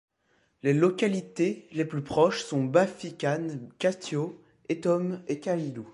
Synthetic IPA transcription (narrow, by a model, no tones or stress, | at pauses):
lelɔkʲalit̪eleplypχɔʃsɔ̃bafikʲankʲast̪jo | et̪ɔmekʲailu